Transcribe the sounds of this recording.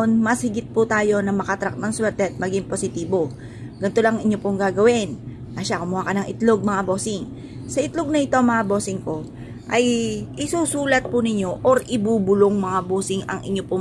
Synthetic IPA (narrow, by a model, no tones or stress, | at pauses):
nmɐshɪɡɪt̪̚pʊt̪aːjo̞nɐmɐkɐt̪ɾɐk̚nɐŋswɛɾt̪ɛɐt̪̚mɐɡiŋposɪt̪iːbo̞ | ɡ̥ɐnt̪o̞laŋŋɪɲːo̞poŋɡaːɡɐwɪnː | ɐʃakʊmʊhakɐnɐŋʔɪt̪loɡ̚mɐŋabo̞ːsɪŋ | sɐʔɪt̪loɡ̚nɐɪt̪o̞ɐŋmɐŋabo̞ːsɪŋko̞ | ʔɐjʔɪsuːsuːlɐt̪̚pʊnɪɲːo̞ʔoɾʔɪbuːbʊloŋmɐŋaboːsɪŋɐ̰ŋʔɪ̰ɲːopʊ